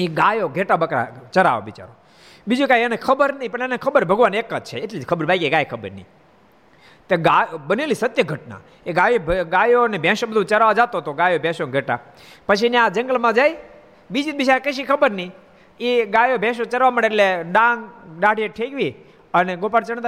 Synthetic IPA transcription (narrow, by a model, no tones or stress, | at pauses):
eɡajoɡʱeʈabəkɾa̰t͡ʃəɾa̰ʋo̰ʋit͡ʃa̰ɾo | bid͡ʒukajɛnekʰəbəɾnəipəɳenekʰəbəɾbʱəɡʋanekːəd͡ʒ̚t͡ʃʰḛeʈlid͡ʒkʰəbəɾbaɡieɡajekʰəbə̰ɾnḭ | t̪eɡabənelisət̪jəɡʱəʈna̰ | eɡajobʱɡajonebʱɛ̃ʃõbəd̪ʱũt͡ʃəɾaʋad͡ʒat̪ot̪oɡajobʱɛ̃ʃoɡʱeʈa | pət͡ʃʰiniad͡ʒə̃ŋɡəlmãd͡ʒaj | bid͡ʒit̪̚biʃakəʃikʰəbəɾni | eɡajobʱẽʃ̬õt͡ʃəɾʋaməɽeʈleɖãŋɡɖaɽieʈʰeɡʋi | əneɡopaɾt͡ʃəɳ̃t̪a